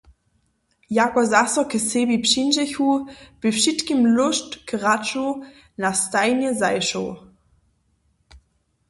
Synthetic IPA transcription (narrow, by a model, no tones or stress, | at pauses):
jakɔzasɔkəsebipɕinʒɛçub̥ɪfʃitkimlʊʃtkʁat͡ʃow | nastajnjɛzajʃow